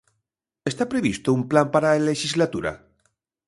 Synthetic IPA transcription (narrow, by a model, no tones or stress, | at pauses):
est̪apɾe̞β̞ist̪oumplampaɾaleʃizlat̪uɾa̰